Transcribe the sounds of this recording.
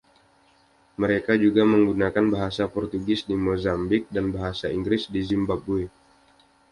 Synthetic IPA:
məɾekad͡ʒuɡaməŋɡunakanbaɦasapɔrt̪uɡɪsdimozambɪk̚danbaɦasaiŋɡɾɪsdizimbabue

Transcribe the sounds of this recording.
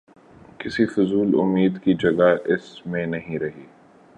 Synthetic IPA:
kɪsifʊzuːlʊ̰mːiːd̪kid͡ʒɐɡaʔɪsmẽnɐɦĩɾɐɦiː

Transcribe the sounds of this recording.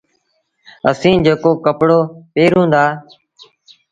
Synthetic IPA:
ə̰sĩːd͡ʒeːkoːkəpɽoːpeːɾɦũːnd̪aː

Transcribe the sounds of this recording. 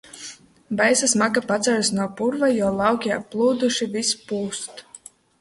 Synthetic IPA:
bajsasmakapat̪saɾsnuɔpuɾvajɔlˠɑwkʲiaplˠuːd̪uʃivispuːst̪

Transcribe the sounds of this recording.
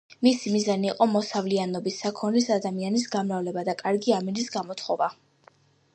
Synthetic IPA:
misimizaniːqʼɔmɔsavlianɔbisːakʰɔnlisad̪amianisɡamɾavlɛbad̪akʼaɾɡiaminisɡamɔt̪ʰχɔva

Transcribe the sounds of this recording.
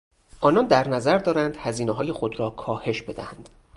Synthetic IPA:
ʔɒːnɒnd̪æɾnæzæɾd̪ɒːɾænd̪hæziːneɦɒːje̞xo̞d̪ɾɒːkʰɒːhe̞ʃb̥e̞d̪æænd̪̥

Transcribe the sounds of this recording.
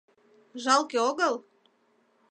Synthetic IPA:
ʒɑlkeoɣəl

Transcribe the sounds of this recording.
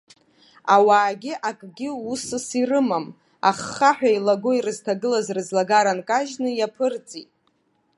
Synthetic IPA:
awaːɡʲɪʔakʼɡʲɪusɨsirɨmam | a̰χːaħᶣailaɡoirɨztʰaɡɨlazrɨzlaɡaɾankʼaʒnɨjapʰɨrt͡sʼitʼ

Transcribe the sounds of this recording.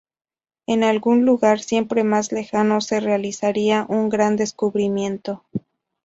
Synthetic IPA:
e̞nalɣunluɣaɾsje̞mpɾe̞mazle̞xano̞se̞realisaɾiaʔuŋɡɾand̪e̞skuβɾimjẽ̞nt̪o̞

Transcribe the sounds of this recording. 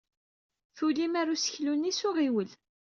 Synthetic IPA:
θulimaɾusə̥çlunːisʊʁiwəl

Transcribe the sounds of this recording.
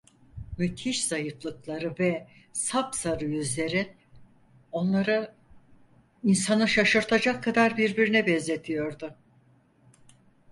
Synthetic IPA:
myt̪ʰiʃz̥ajɯflˠɯklˠaɾɯvɛsapsaɾɯjyzlʲe̞ɾi | o̞nlˠaɾɯ | insanɯʃaʃɯɾt̪ʰad͡ʒakʰːad̪aɾbiɾbiɾinɛbɛzet̪ʰijo̞ɾd̪ʊ

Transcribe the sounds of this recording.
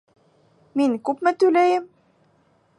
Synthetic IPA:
minkupmæt̪ulæjəm

